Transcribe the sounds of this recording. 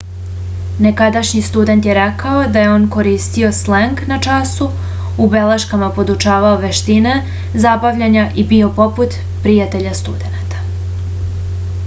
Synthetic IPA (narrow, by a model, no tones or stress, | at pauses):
ne̞kad̪aʃɲist̪ud̪e̞nt̪jeɾekao̞d̪aje̞o̞ːnko̞ɾiːst̪io̞sleŋknat͡ʃasu | ube̞leʃkamapo̞d̪ut͡ʃaːʋaoʋe̞ʃt̪ine̞ | zabaʋʎaɲaʔibio̞po̞put̪ | pɾijat̪e̞ʎast̪ud̪e̞nat̪ḁ